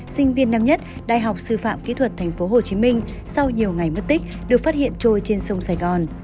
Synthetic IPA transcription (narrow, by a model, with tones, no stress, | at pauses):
sï˧ŋ̟vi˧ənːa˧mɲə˦˥t̚ɗaː˧˨jɦa˨˩wk͡p̚sɨ˧fa̰ː˧˨mkḭ˧˥t̪ʰwə˨˩t̚t̪ʰɛ˨˩jŋ̟fo˨˦ɦo˨˩t͡ɕi˨˦mï˧ŋ̟sa˧wɲi˨˩əwŋa˨˩jmə˦˥t̚t̪ï˦˥k̟̚ɗɨ˨˩ək̚faː˦˥t̚hḭ˧˨ənt͡ɕo˧jt͡ɕe˧nsə˧wŋ͡msaː˧˩jɣɔ˨˩n